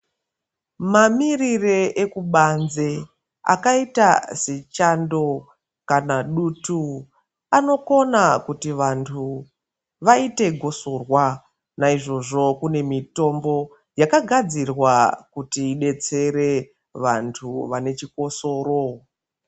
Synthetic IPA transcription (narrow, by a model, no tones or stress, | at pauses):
mamirireʔekuɓanze | a̰kaitaset͡ʃando̞ | kanaɗutu | ano̞ko̞nakutiʋantʰu | ʋaite̞ɡʱo̞so̞rwa | naiʐo̞ʐo̞kune̞mito̞mbo̞ | jakaɡʱad͡zirwakutiːɗe̞t͡se̞ɾe̞ | ʋantʰuʋane̞t͡ʃiko̞so̞ːɾo̞